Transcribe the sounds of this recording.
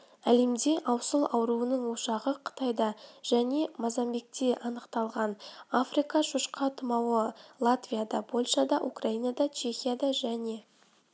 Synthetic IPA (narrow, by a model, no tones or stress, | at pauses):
æle̞md̪e̞ʔɑwsəlˠɑwɾuənəɴwo̞ʃɑʁəqʰə̥t̪ɑjd̪ɑʒ̥æne̞mazɑmbe̞k̚t̪e̞ʔɑnəqt̪ɑlˠʁɑnafrijkɑʃuʃqɑt̪əmɑwəlˠat̪vʲijad̪ɑpʰo̞lʲʃad̪ɑʔukraijnad̪ɑt͡ʃʰe̞xʲijad̪ɑʒæne̞